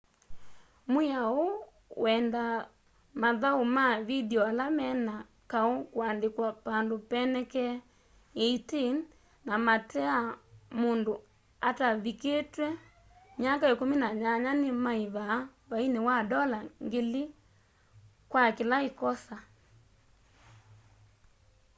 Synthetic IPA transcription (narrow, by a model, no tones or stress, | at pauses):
moao | w̰ɛnda | maðaomaβidiɔalamɛna | kaokwandekwapandopɛnɛkɛ | eitin | namatɛamondo | ataβiketwɛ | mjakaekomenaɲaɲanemaeβaβainewadɔlaŋɡele | kwakelaekɔsa